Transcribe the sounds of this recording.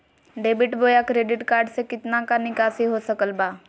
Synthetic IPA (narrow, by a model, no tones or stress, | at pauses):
ɖeːbɪʈboːjakɾeːɖɪʈkaːɾɖsekɪt̪nãkanɪkaːseɦosəkəlbaː